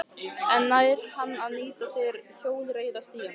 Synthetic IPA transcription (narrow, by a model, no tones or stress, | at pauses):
ɛnːajɾ̥hanːaðniːt̪asjɛɾçoːwlɾeːjðast̪iːjan